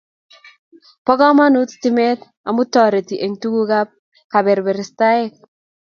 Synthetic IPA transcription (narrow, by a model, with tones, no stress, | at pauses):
pɔ˦ɡɔ˦ma˦nu˦t̪ti˦mɛ˦t̪ | a̰˨mu˦t̪ɔ˨ɾe˨t̪i˨ʔe˨ŋtu˦ɡu˦ɡa˦p̚ | ka˨bɛ˨ɾbɛ˨ɾɪ˨sta˦ɛ˦k̚